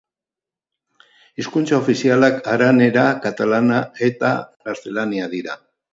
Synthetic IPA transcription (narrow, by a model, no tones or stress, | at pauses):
iskunt͡sao̞fisialakaɾane̞ɾakat̪alanae̞t̪a̰ɣaɾθe̞laniaðiɾa